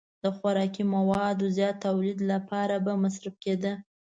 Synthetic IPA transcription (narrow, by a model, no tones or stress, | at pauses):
d̪̥əxwaɾɑkimawɑd̪ozjɑt̪ːawlid̪lapɑɾabamasɾafked̪ə